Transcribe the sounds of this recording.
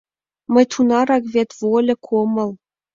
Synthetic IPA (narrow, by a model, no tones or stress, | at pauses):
mə̆jt̪ʰunɑɾɑkβʲet̪volʲɘ̆kʰomɤ̆l